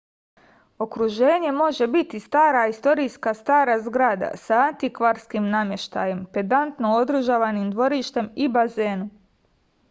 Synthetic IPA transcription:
o̞kɾuʒe̞ːɲe̞mo̞ʒe̞bit̪ist̪aːɾaist̪o̞ɾijskast̪aːɾazɡɾaːd̪a̰saːnt̪ikʋaɾskimnamje̞ʃt̪a̰je̞mpe̞d̪ant̪nood̪ɾɨʒaʋanimd̪ʋo̞ɾiʃt̪e̞mibaze̞ːnu

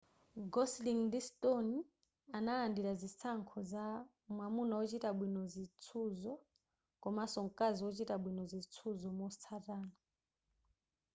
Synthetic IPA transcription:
ɡɔsliŋdistoni | anaːndiɾazit͡sʰaŋkʰɔza | mwamunaɔt͡ʃitaɓwinɔzit͡sʰuzɔ | kʼɔmasɔŋkʼaziɔt͡ʃitaɓwinɔzit͡sʰuzɔmɔt͡sʰataːna

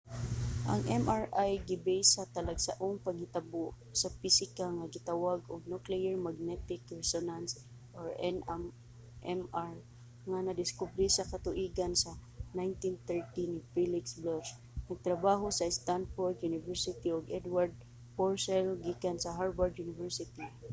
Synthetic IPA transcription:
ʔa̰ŋɛmʔaɹʔajɡɪbɛjsat̪alaɡsaʔʊŋpaɡhɪt̪abʊʔ | sapisɪkaŋaɡɪt̪awaɡʊɡ̚nuklɛɛɹmaɡ̚nɛt̪ɪkɹɛsonans | ʔɔɹɛnam | ʔɛmaɹ | ŋanɐd̪ɪskʊbɾisakat̪ʊʔiɡansa | najnt̪int̪ɛɹt̪inifilɪksblɔs | nɐɡ̚t̪ɾabaːɦosast̪anfoɹd̪junɪvɛɹsɪt̪iʊɡɛd̪waɹd̪̚ | poɹsɛlɡikansɐɦaɹbaɹd̪junɪvɛɹsɪt̪i

